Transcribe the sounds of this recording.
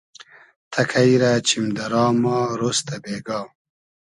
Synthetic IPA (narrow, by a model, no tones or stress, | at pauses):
t̪ʰɐkʰɐiɾat͡ɕʰimd̪ɐɾɑːmaːɾost̪ɐbeːɡaː